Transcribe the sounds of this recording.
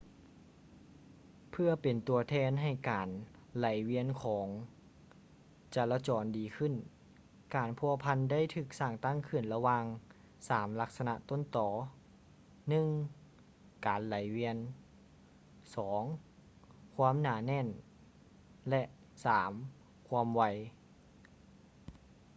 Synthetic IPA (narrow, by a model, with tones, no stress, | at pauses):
pʰɯ˧˩ɐpe˨˩nt̪u˨˩ɐt̪ʰɛː˧˥nɦa˧˩jkaː˨n | la˨˦jwi˧˥ənkʰɔː˩˦ŋ | t͡ɕaː˨˧˩la˧t͡ɕɔː˨˩ndiː˨˩kʰɯ˧˥˨n | kaː˨˩npʰu˧˩ɐpʰa˧nda˥˩˨jt̪ʰɯː˧˩k̚saː˧˩ŋt̪a˥˩˨ŋkʰɯ˧˩nla˧waː˧ŋ | saː˨˦mla˧˥k̚sa˧na̰˧ʔt̪o˧˥˨nt̪ɔː˨˦ | nɯ˧˨ŋ | kaː˨˩nla˨˦jwi˧ən | sɔː˩˦ŋ | kʰwuː˧˥ə˨mnaː˧˩˦nɛː˧˥˨n | lɛ˧ʔ | saː˩˦m | kʰu˧əmwa˧˩j